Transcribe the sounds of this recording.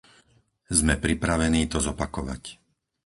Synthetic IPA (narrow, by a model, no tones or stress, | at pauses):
zmɛpɾipɾaʋɛniːt̪ɔzɔpakɔʋa̰c